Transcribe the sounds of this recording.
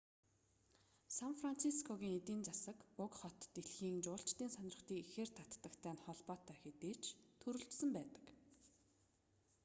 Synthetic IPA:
sanfran̥t͡sʰiskʰɔɣiːŋet̪iːnt͡sasə̆kʊkχɔt̪ːeɮxiːnt͡ɕʊːɬt͡ɕt̪iːnsœnɪ̆rə̆χt̪iːkexeːr̥t̪ʰat̪ːə̆kt̪ʰæːnχɔɮpɔːt̪ʰæːxet̪eːt͡ɕʰt̪ʰɵɾɵ̆ɮt̪sə̆mpæːt̪ə̥̆k

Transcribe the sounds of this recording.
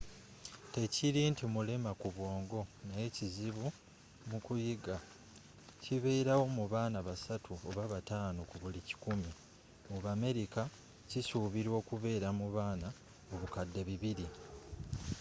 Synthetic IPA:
te̞ciɾiːntimulemakuβwo̞ːŋɡo̞naje̞ciziβu | mukujiɡa | ciβe̞ːɾawo̞muβaːnaβasatʰuoβaβataːnokuβulici̥kumi | muβame̞ɾika | cisuːβiɾwo̞ːkuβe̞ːɾamuβaːna | o̞βukadːe̞βiβiɾi

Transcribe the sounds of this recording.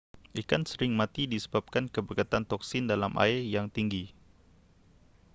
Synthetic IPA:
ʔikansəɾɪŋmãt̪idisəbap̚kankəbəkat̪ant̪ɔksɪndalamʔa̰ɪrjaŋt̪iŋɡi

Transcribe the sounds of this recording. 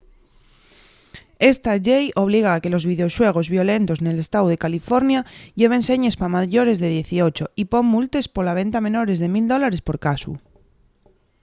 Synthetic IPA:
e̞st̪aʝejo̞β̞liɣ̞aːke̞lo̞zβiðeo̞swe̞ɣ̞o̞zβjo̞le̞nt̪o̞sne̞le̞st̪awð̞e̞kalifo̞ɾnjaʎe̞β̞e̞nse̞ɲe̞spamaʝo̞ɾe̞zðe̞ðje̞θio̞t͡ʃo̞ipo̞mːult̪e̞spo̞laβ̞e̞nt̪amẽ̞no̞ɾe̞zðe̞mild̪o̞laɾe̞spo̞ɾkasṵ

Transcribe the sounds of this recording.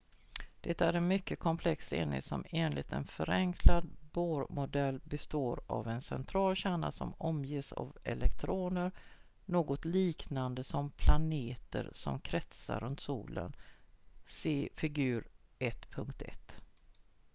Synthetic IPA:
d̪̥ɛt̪æɾɛnmʏkːəkʰɔmpʰlɛksḛːnɪ̰sɔmeːnlɪt̪ɛnfœɾɛŋkʰlad̪boːɾmʊd̪ɛlːbɛst̪oːɾavɛnsɛnt̪ʰɾɑːlɕæːɳa̰sɔ̰mɔmjeːsa̰vɛlɛkt̪ʰɾoːnəɾ | noːɡɔt̪liːknand̪əsɔmpʰlaneːt̪əɾsɔmkʰɾɛt̪saɾɵnt̪suːlə̰n | seːfɪɡʉ̟ːɾɛt̪ːpʰɵŋkt̪ɛ̰t̪ː

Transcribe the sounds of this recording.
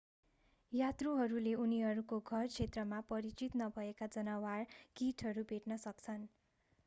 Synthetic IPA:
jat̪ruɦʌɾuleuniɦʌɾukoɡʱʌrt͡sʰet̪rʌmapʌɾit͡sit̪nʌbʱʌekad͡zʌnʌwarkiʈʰɦʌɾubʱeʈnʌsʌkt͡sʰʌn

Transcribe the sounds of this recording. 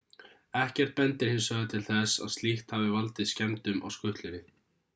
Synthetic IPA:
ɛhcɛr̥t̪̚pɛnt̪ɪɾ̥hɪmsœðʏt̪ʰɪlθɛsa̰ðst̪liht̪havɪvalt̪ɪðscɛmt̪ʏmʔa̰wskʏht̪lʏɾɪ

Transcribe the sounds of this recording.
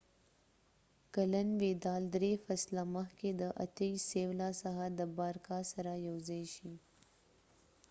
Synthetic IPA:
kalanwed̪ɑld̪ɾefaslaməxked̪əʔa̰t̪əisewlɑsaɦad̪əbɑɾkɑsaɾajawzajʃi

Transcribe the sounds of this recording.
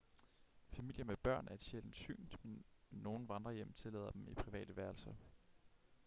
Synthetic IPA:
fæmil̰jəmeb̥ɶɐ̰nʔæɐe̝d̥ɕel̰n̩sy̰ːnd̥mennːo̝ːn̩ʋɑ̈nd̥ʁɐjem̰t͡sʰe̝lɛ̰ːðˠɐd̥emipʰʁiʋɛ̰ːd̥əʋæɐlsɐ

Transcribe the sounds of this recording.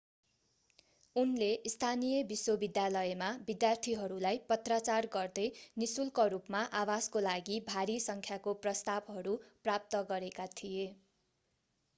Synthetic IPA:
unleʔist̪ʰanijʌbiswobid̪jalʌemabid̪jart̪ʰiɦʌɾulajpʌt̪rat͡sarɡʌrd̪ʌjnisulkʌɾupmaʔawaskolaɡibʱaɾisʌŋkʰjakoprʌst̪abɦʌɾuprap̚t̪ʌɡʌɾekat̪ʰije

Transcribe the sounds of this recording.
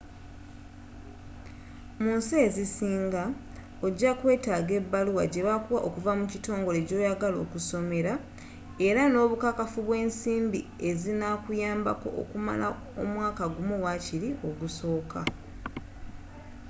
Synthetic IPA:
muːnseːzisiːŋɡa | o̞ɟːakwe̞ːtaːɡe̞bːaluwaɟe̞βakuwaʔokuvamucito̞ːŋɡo̞le̞ɟo̞ːjaɡalo̞̰ːkuso̞me̞ɾa | e̞ɾano̞ːβukakafuβwe̞ːnsiːmbi | e̞zinakujaːmbako̞̰ʔo̰kuma̰la̰ | omwaːkaɡumuwaciɾio̞ɡuso̞ːka

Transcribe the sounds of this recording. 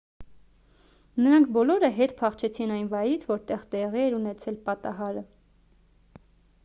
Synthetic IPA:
nəɾɑŋkʰbɔlɔɾəɦɛt̪pʰɑχt͡ʃʰɛt͡sʰinɑjnvɑjɾit͡sʰvɔɾt̪ɛʁt̪ɛʁiɛɾunɛt͡sʰɛlpɑt̪ɑɦɑɾə

